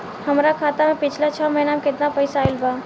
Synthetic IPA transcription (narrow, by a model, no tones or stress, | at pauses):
həmɾakʰaːt̪amẽpɪt͡ʃʰlat͡ʃʰəməɦɪnamekɪt̪napəɪsaɪlba